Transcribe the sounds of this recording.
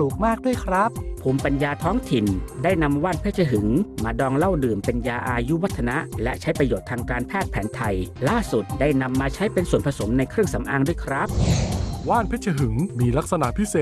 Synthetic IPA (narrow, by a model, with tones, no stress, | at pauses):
uː˨˩k̚maː˥˩k̚du˥˩əjkʰɾa˦˥p̚pʰuː˧mpa˧njaː˧t̪ʰɔː˦˥ŋt̪ʰi˨˩ndaː˥˩jna˧mwaː˥˩npʰeː˦˥˩t͡ɕʰa˧ɦɯ˩˦ŋmaː˧dɔː˧ŋla˥˩wdɯː˨˩mpe˧njaː˧ʔaː˧ju˦˥wa˦˥t̪ʰːa˧na˦˥ʔlɛ̰˦˥t͡ɕʰa˦˥jpɾa˧joː˨˩t̪ʰːaː˧ŋkaː˧npʰɛː˥˩t̪̚pʰɛː˩˦nt̪ʰa˧jlaː˥˩su˨˩t̪̚daː˥˩jna˧mːaː˧t͡ɕʰa˦˥jpe˧nsu˨˩ənpʰa˧so˩˦mna˧jkʰɾɯ˥˩əŋsa˩˦mʔaː˧ŋdu˥˩əjkʰɾa˦˥p̚waː˥˩npʰeː˦˥˩t̪̚t͡ɕʰa˧ɦɯ˩˦ŋmiː˧la˦˥k̚sa˧na˨˩ʔpʰi˦˥seː˨˩